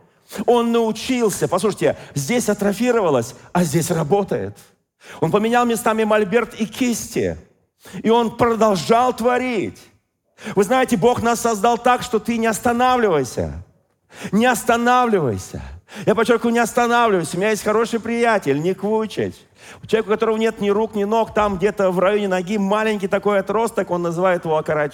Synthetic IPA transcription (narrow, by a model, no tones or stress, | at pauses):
o̞nːəʊt͡ɕilˠsʲəpɐslˠuʂətʲɪzʲdʲesʲɐt̪ɾɐfʲiɾəvəlˠəsʲɐzʲdʲesʲrɐbo̞t̪əjɪ̰t̪ | o̞npəmʲɪnʲalˠmnʲɪst̪amʲɪmɐlʲbʲe̞rt̪ɪkʲʰisʲtʲɪ̰ | ɪo̞npɾəd̪ɐlˠʐalˠt̪vɐɾʲitʲ | vɨznajɪtʲɪbo̞xnasːɐzd̪alˠt̪akʂt̪o̞t̪ɨnʲɪɐst̪ɐnavlʲɪvəjsʲə̰ | nʲɪɐst̪ɐnavlʲɪvə̰jsʲə̰japɐt͡ɕːork̪ʊjnʲɪɐst̪ɐnavlʲɪvəjsʲʊmʲɪnʲajesʲtʲxɐɾo̞ʂɨjpɾʲɪjætʲɪlʲnʲɪkvɨʊt͡ɕɪ̰tʲ | t͡ɕɪlˠʲekʊkɐt̪o̞ɾəvənʲe̞t̪nʲɪɾuknʲɪno̞kt̪amɡdʲe̞t̪əvrɐjonʲɪnɐɡʲimalʲɪnʲkʲɪjt̪ɐko̞jɐt̪ɾo̞st̪əko̞nːəzɨvajɪt̪ɪvoɐkɐɾat͡ɕ